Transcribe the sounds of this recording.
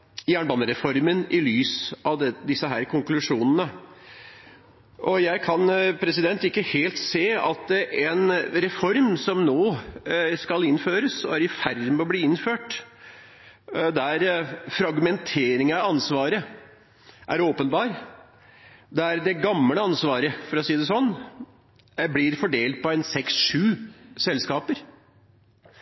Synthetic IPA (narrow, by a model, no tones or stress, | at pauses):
jæːɳbɑːnəɾɛfɔɾmənɪlyːsɑʋd̪ɛd̪ɪsːəɦæːɾkʰʊŋklʉʂuːnənə | ʔɔjæɪkʰɑnpʰɾɛsɪd̪ɛnt̪ɪkːəheːlt̪seːɑt̪ɛnɾɛfɔɾmsɔmnoː | skɑlɪnːføːɾəsɔæɾɪfæɾd̪mɔbliːɪnːføːʈ | d̪æɾfɾɑɡmɛnt̪ʰeːɾɪŋəɑɑnsʋɑːɾə | ʔæ̰ɾoːpənbɑːɾ | d̪æɾd̪ɛɡɑmləɑnsʋɑːɾəfɔɾɔsiːd̪əsɔnː | blɪɾfɔɖeːlt̪̚pɔɛnsɛksʂʉːsɛlːskɑːpəɾ